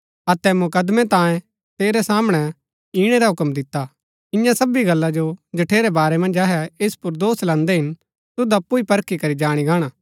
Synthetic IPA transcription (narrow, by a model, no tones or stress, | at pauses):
ɐt̪ɛmʊkəd̪mɛ̃t̪ãːjẽ | t̪eːɾɛsaːmɽ̃ɛ | iːɽ̃ɛɾaɦʊkmd̪ɪt̪ːa | ɪ̃jãsɐbiɡɐlːad͡ʒod͡ʒɐʈʰeːɾɛbaːɾɛmɐ̃nd͡ʒaɦɛespʊɾd̪oːslãːnd̪ɛɦɪn | t̪ʊd̪aɐpːuipɐɾkʰikɐɾid͡ʒaːɽ̃iɡaːɽ̃aː